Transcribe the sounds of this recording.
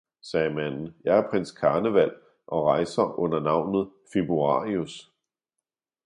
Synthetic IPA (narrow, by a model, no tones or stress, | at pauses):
sɛːmæn̰n̩jɑ̈ɪæɐpʰʁenskʰɑ̈ːnəʋæl̰ | ʔɒ̽ʁɑ̈ɪsɐʔɔ̽n̰ɐnɑ̈ʊ̰nð̞̩ˠfeb̥ʁuɑ̰̈ːʁius